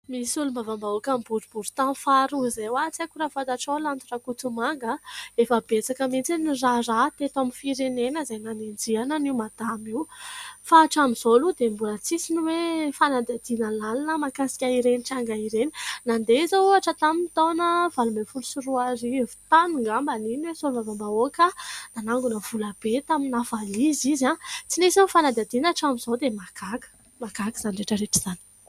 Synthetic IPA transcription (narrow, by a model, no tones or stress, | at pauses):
misulumbavambaukambuɾub̥uɾu̥t̪ãnfaɾuzejwat͡sakuɾafat̪aʈ͡ʂolant̪urakut͡sumaŋɡəefəbet͡sakəmint͡sinirarat̪et̪aminfiɾenenəzajnanend͡ziananiwmad̪̥amiwfaːʈ͡ʂamizolud̪embulat͡sisiniwefanad̪ad̪inəlalanəmakasi̥kʲaiɾeniʈ͡ʂaŋɡaiɾeninand̪ezoaʈ͡ʂat̪amiit̪onəvalumbefulusuɾuaɾivi̥t̪anuŋɡambaniniwesolumavambaokənanaŋɡunəv̥ulab̥et̪aminafalizizat͡sinesawfanad̪ad̪inaʈ͡ʂamiz̥od̪emakʰakə̥ | makaki̥z̥anireʈ͡ʂəɾeʈ͡ʂiz̥ani̥